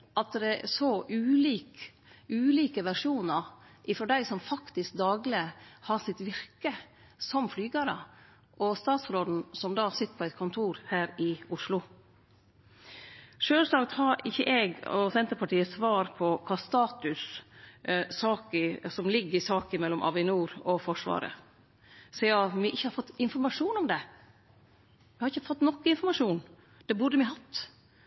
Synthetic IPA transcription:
ʔɑt̪̚d̪ɛsoʔʉːliːk | ʉːliːkəʋæʂuːnəɾ | ʔɪfɾɔɖ̪æɪsɔmfɑkt̪ɪsk̚d̪ɑːɡlɪəhɑsɪt̪ʋɪɾkə | sɔmflyːɡɑɾə̰ | ʔɔst̪ɑːt̪sɾoːd̪n̩sɔmd̪ɑːsɪt̪ːə̥ɾpʰɔæɪt̪̚kʰʊnt̪ʰuːɾhæːɾɪʊʂlʊ | ʂøːlslɑɡt̪hɑɾɪçːəʔɛɡɔ̰sɛnt̪əɾpʰɑʈiːəsʋɑːɾpʰɔkʰɑːst̪ɑːt̪ʉs | sɑːkəsɔmlɪɡːəɪsɑːkɪmɛlːɔmʔɑ̰ʋɪnuːɾɔfɔʂʋɑ̰ːɾə̰ | sɛːɑmɪʔɪçːəhɑɾfɔt̪ːɪnfɔɾmɑʂuːnɔmd̪ɛ | mɪhɑɾɪçːəfɔt̪ːnɔkːəɪnfɔɾmɑʂuːn | d̪̥ɛbʊɖəmɪɦɑt̪ː

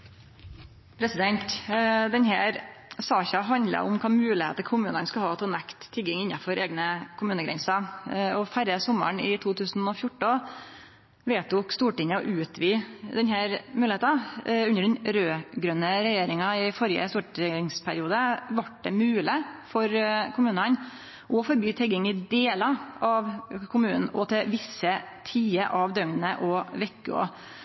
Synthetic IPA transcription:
pʰɾɛsɪd̪ɛnt̪d̪ɛnhæːɾsɑːçɑɦɑnd̪lə̰ʔʊmkʰɑːmʉːlɪhḛːt̪əkʰʊmʉːnənskɑhɑːt̪ʰɛːnɛkt̪ʰːɪɡɪŋɪnːɑfɔɾʔeːɡnəkʰʊmʉːnəɡɾɛ̰nsɑɔfæɾəsɔmːə̰ɳɪt̪ʰuːt̪ʰʉːsn̩ɔfjʊʈːə | ʋeːt̪ʊkst̪uːʈɪŋːəɔ̰ʔʉːt̪ʰʋiːd̪ɛnhæːɾmʉːlɪeːt̪ɑʉnːəɖɛnɾøːɡɾœnːəɾɛjeːɾɪŋɑɪfɔɾɪə̰st̪uːʈɪŋspʰæɾɪuːd̪əʋɑʈ̚ɖɛ̰mʉːlɪfɔɾkʰʊmʉːnən | ʔɔfɔɾbyːt̪ʰɛɡɪŋɪd̪eːlɑʔɑʋkʰʊmʉːnn̩ʔɔt̪ʰɪʋɪsːə | t̪ʰiːəʔɑʋd̪œŋnəʔɔʋɛkːʉ̰ɔ̰

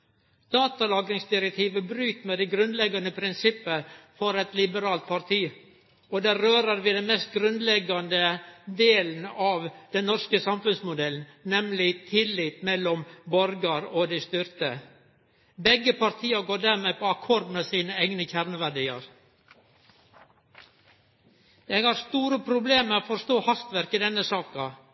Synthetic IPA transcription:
d̪̥ɑːt̪ɑlɑːɡɾɪŋsd̪ɪɾɛk̚t̪ʰiːʋəbɾyːt̪mɛd̪ɛɪɡɾʉnd̪lɛɡɑnəpʰɾɪnsɪpːəfɔɾɛt̪lɪbəɾɑːlt̪̚pʰɑɾt̪ʰiː | ɔd̪æɾøːɾəɾʋɪd̪ɛnmeːst̪̚ɡɾʉnd̪lɛɡɑnd̪əd̪eːln̩ɑʋd̪̥ɛnnɔskəsɑmfʉnsmʊd̪ɛlnnɛmlɪt̪ʰɪlːɪt̪mɛlːɔmbɔɾɡɑɾɔd̪æɪst̪ʏɾt̪ə | bɛɡːəpɑɾt̪ʰiːəɾɡoːɖæɾmeːpʰɔɑkʰɔɾd̪mɛsiːnəæɪɡnəçæɾnəʋæɖiːɑ̰ɾ | jɛɡhɑɾst̪uːɾəpʰɾʊbleːməɔfɔɾst̪oːhɑst̪ʋæɾkəd̪ɛnːəsɑːkɑ

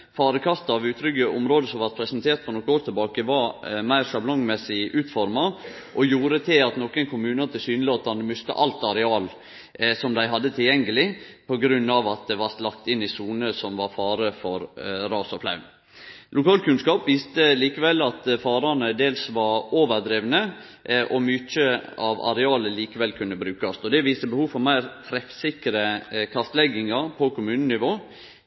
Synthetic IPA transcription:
fɑːɾəkʰɑst̪ɑɑʋʉːt̪ʰɾʏɡəʔʊmɾoːd̪əsɔmʋæɾpʰɾɛsənt̪ʰeːɾʈ̪̚pʰɔnɔkːəoːɾt̪ʰɪlbɑːkəʋɑɾmæɪɾʂɑblɔŋmɛsːɪʔʉːt̪fɔɾmɑ | ʔɔjuːɾət̪ʰeɑt̪nɔkːənkʰʊmʉːnɑt̪ʰɪsyːnloːt̪ɑnəmʏst̪ə̰ʔɑlt̪ɑɾɛɑːl | sɔmd̪æɪɦɑd̪ːət̪ʰɪljɛŋəlɪpʰɔɡɾʉnːɑʋɑt̪̚d̪ɛʋɑɾlɑk̚t̪ɪnːɪsuːnəsɔmʋɑɾfɑːɾəfɔɾɾɑːsɔflɑ̰ʉn | lʊkɑːlkʰʉnskɑːpʋiːst̪əliːkəʋɛlːɑt̪fɑːɾɑnəd̪eːlsʋɑɾoːʋəɾd̪ɾiːʋnə | ʔɔmʏt͡ʃːəɑʋɑ̰ɾɛɑːləliːkəʋɛlkʰʉnːəbɾʉːkɑsɔd̪ɛʋiːst̪əbəhuːʋfɔɾmæɪɾt̪ʰɾɛfsɪkɾəkʰɑst̪lɛɡɪŋɑɾpʰɔkʰʊmʉːnənɪʋoː

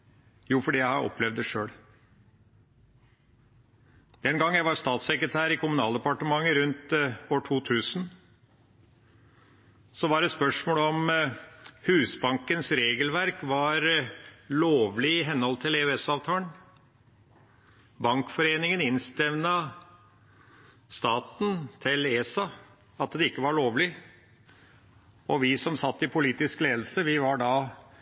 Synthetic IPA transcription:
juːfɔɖiːjæɪhɑɾʔɔ̰plɛʋd̪əʂøːɽ | d̪̥ɛnɡɑŋːjæɪʋɑɾst̪ɑːt̪sɛkɾət̪ʰæːɾɪkʰʊmʉnɑːld̪əpɑʈəmɑŋːəɾʉnt̪oːʈʰuːt̪ʰʉːsn̩ | sɔʋɑɾɛt̪spœʂmoːlɔm | hʉːsbɑŋkənsɾeːɡəlʋæɾkʋɑɾloːʋlɪɪɦɛnhɔlt̪ʰɪleːʉɛsɑːʋt̪ʰɑːən | bɑŋkfɔɾeːnɪŋənɪnst̪ɛʋnɑ | st̪ɑːt̪n̩t̪ʰɪleːsɑ | ɑt̪d̪ɛɪkːəʋɑɭoːʋlɪ | ɔʋɪsɔmsɑt̪ːɪpʰʊliːt̪ɪskleːd̪l̩səʋɪʋɑɖɑ

